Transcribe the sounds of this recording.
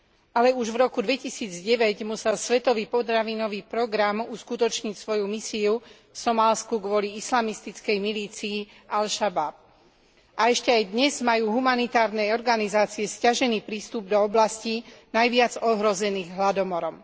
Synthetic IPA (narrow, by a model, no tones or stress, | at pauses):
alɛuʒʋɾɔkud̪ʋɛcisiːd͡zɟɛʋɛɟmusɛlsʋɛt̪ɔʋiːpɔt̪ɾaʋiːnɔʋiːpɾɔɡɾamuskut̪ɔt͡ʃɲicsʋɔjumisiu | fsɔmaːlskuɡʋɔliislamist̪it͡skɛjmiliːt͡sii | ʔalʃabab̚ | ʔaɛʃcɛajd̪ɲɛzmajuːɦumanit̪aːɾnɛɔɾɡanizaːt͡siɛscaʒɛniːpɾiːst̪ub̚d̪ɔɔblascinajʋɪad͡zɔɦɾɔzɛniːɣɦlad̪ɔmɔɾɔm